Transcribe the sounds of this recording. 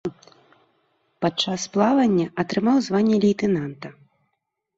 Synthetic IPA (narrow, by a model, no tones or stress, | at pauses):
pat͡ʂːasplˠavɐnʲːɐʔɐt̪ɾɨmawzvanʲːɛlʲijt̪ɛnant̪ɐ